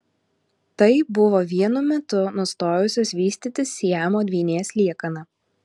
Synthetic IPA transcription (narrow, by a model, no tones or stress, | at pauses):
t̪ɐɪbʊʋoːʋʲiɛnʊmʲɛt̪ʊnʊst̪oːjʊsʲoːsʋʲiːsʲt̪ʲiːt̪ʲɪsʲiɛmoːd̪ʲʋʲiːnʲeːsʲlʲiɛkɐnɐ